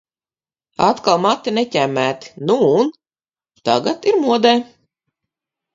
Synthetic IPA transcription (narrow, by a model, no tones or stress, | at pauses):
at̪kalˠmat̪ːinecʲæmːæːt̪i̥nuːn | t̪a̰ɡat̪iɾmuɔd̪ɛː